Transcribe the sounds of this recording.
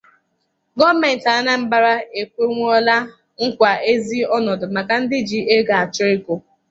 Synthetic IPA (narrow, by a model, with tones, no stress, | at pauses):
ɡɔ˦me˨n̩˨ta˨˦na˦m̩˦ba˦˨ɾa˦e˨kʷe˦ŋʷ˦ɔ˦la˦ | ŋ̩˦kʷa˨e˦zi˦ɔ˦nɔ˨dʊ˨ma˨ka˨n̩˦dɪ˦d͡ʒi˦e˦ɡa˨a˨t͡ʃʊ˦ɾɪ˦ko˨